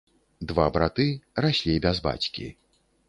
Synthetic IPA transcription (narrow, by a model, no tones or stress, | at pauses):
d̪vabɾat̪ɨrasʲlʲibʲɛzba̰t͡sʲkʲḭ